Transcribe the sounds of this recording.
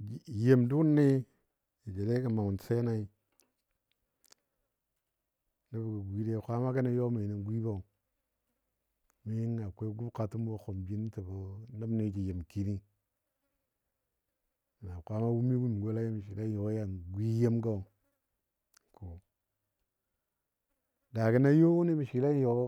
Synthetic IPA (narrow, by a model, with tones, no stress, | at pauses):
je˨mdu˦nːe˦ | i˨d͡ʒe˨ɾe˦ka˨ma˨u˨n˨se˦na˦i˦ | na˦bka˨ɡʷi˦de˦˨kʷa˦ma˦ka˦na˦jo˦ma˨ni˨ɡʷi˦ba˦u˨ | mi˦ji˦ŋːa˨kʷe˦ɡu˦bka˨tu˦m˦wo˨xo˨mbi˦n˦ta˨bo˨na˦bne˦ki˨je˨mki˦ni˦˨ | na˨kʷa˦ma˦wu˦m˦i˦ɡu˦m˨ɡo˦la˦ji˦mi˨ʃi˨la˦jo˨˦ja˦˨nɡʷi˦je˦mɡa˦u˨ | ko˨ | da˨ki˦na˦jo˦ni˦mi˨ʃi˨la˦jo˨˦